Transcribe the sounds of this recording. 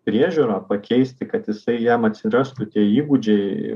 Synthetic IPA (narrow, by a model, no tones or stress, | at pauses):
pʲɾʲiɛʒʲuːɾaːpɐkʲɛɪsʲt̪ʲɪkɐt̪jɪsɐɪjɛmɐt̪ʲsʲɪɾɑst̪ʊt̪ʲiɛiːɡud͡ʒʲɛɪ